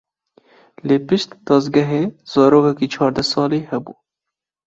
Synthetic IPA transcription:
leːpɪʃt̪d̪̥ɑzɡɐɦeːz̥ɑːɾoːkɛkiːt͡ʃʰɑːɾd̪ɛsɑːlehɛbuː

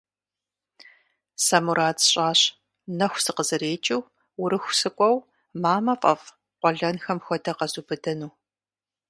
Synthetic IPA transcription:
samuɾaːtɕʼaːɕ | nɐxʷsɨqəzɨɾeːt͡ʃʼɪw | wʊɾɨxʷsɨkʷʼɔw | maːmɐfʼɐf | qʷɔɮɐnxɐmxʷɔdɐqɐzuːbɨdɐnuː

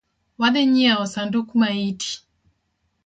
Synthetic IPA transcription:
waðɛɲiaɔsandukumaitʰi̥

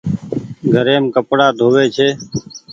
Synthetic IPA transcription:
ɡʱəɾeːmkəpɽaːd̪ʱoːʋeːt͡ʃʰeː

